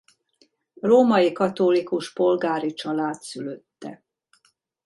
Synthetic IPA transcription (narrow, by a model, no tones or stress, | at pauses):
roːmɒjikɒt̪olikuʃpo̞lɡaːɾit͡ʃɒlaːt̪syløt̪ːɛ̰